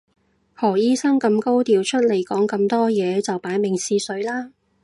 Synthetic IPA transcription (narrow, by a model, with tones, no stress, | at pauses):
hɔː˨˩jiː˥sɐ˥ŋkɐ˧mko˥wt̪iː˨˧wt͡ʃʰɵ˥t̚le˨˩jkɔː˨˥ŋkɐ˧mt̪ɔː˥jɛː˨˧t͡sɐ˨wpaː˨˥jmɪ˨˩ŋsiː˧sɵ˨˥ɥlaː˥